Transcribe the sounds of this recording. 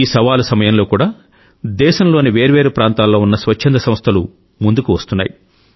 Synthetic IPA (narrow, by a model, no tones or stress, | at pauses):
iːsɐʋaːlusɐmɐjɐmlo̞ːkuːɽaː | d̪ɛːʃɐmlo̞ːniʋe̞ːɾuʋe̞ːɾupɾaːnt̪aːlːo̞ːunːɐsʋɐt͡ʃʰːend̪ɐsɐmst̪ʰɐlu | mund̪ukuʋɐst̪unːa̰ːji